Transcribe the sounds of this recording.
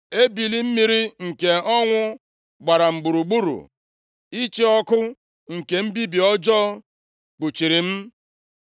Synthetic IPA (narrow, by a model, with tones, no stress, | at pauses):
e˦bi˨li˦m̩˦mi˦ɾi˦ŋ̩˨ke˨ɔ˦ŋʷʊ˦ | ɡ͡ba˨ɾa˨m̩˨ɡ͡bu˨ɾu˨ɡ͡bu˦ɾṵ˨ | i˦t͡ʃi˦ɔ˦kʊ˦ | ŋ̩˨ke˨m̩˦bi˦bi˨ɔ˦d͡ʒɔː˦ | k͡pu˨t͡ʃi˨ɾi˨m̩˦